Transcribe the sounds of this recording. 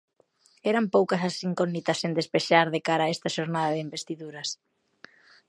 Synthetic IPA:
ɛɾampowkɐsɐsiŋkonit̪ɐsːend̪espeʃaɾðekaɾaːɛst̪ɐʃoɾnaðɐðɪimbest̪iðuɾɐs

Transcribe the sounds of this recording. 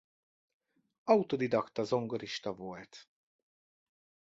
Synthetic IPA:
ɒut̪od̪id̪ɒkt̪ɒzo̞ŋɡoɾiʃt̪ɒvolt̪

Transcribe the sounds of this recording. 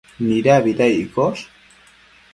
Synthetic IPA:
niɾaβiðajikos

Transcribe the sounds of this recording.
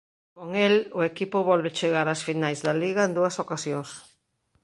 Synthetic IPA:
koŋelʊekipʊβɔlβet͡ʃeɣaɾasfinajzðɐliɣɐend̪uɐsokasjoŋs

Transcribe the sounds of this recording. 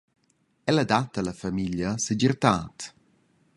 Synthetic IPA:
ɛlad̪at̪alɐfamiʎjasəd͡ʒirt̪aːt̪

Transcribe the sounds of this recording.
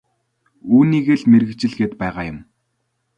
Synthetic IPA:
uːniːɣeːɮmerɣɘ̆kt͡ɕɪ̆ɮɣeːt̪pæːʁaːjʊm

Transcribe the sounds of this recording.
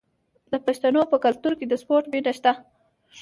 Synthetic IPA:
d̪əpaʃt̪anopəkalt̪uɾked̪əspoɾʈbinaʃt̪a

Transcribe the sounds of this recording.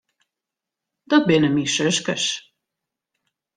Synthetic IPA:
d̪̥ɑt̪̚benəmiʃəʃkəʃ

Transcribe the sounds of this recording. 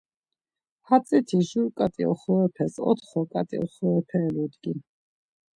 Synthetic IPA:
hat̪sʼit̪ʰiʒuɾkʼat̪ʼḭɔ̰χɔɛpʰɛsɔ̰t̪ʰχɔkʼat̪ʼḭɔ̰χɔɛpʰɛːlud̪ɡin

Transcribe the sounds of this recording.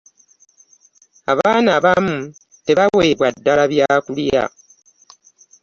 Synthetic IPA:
aβaːnaβamu | te̞βaweːβwadːalaβjaːkulija̰

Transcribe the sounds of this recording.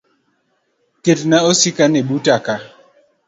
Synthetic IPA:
ketnaosikaneɓutaka

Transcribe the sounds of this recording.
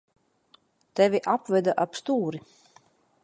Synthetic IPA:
t̪ɛvʲiʔapvɛd̪aʔapst̪uːɾi

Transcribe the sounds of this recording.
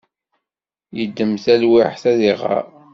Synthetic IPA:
jəd̪ːəmθælwɪħθæðiʁɑ̰ɾ

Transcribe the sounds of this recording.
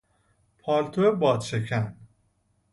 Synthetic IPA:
pʰɒːlt̪ʰoebɒːd̪ʃekʰæn

